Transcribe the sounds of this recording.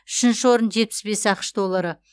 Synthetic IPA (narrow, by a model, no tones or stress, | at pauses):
ʏʃɪnʃɪwo̞ɾənʒe̞t̪̚pɪ̥sbe̞sɑqʃd̪o̞lˠːaɾə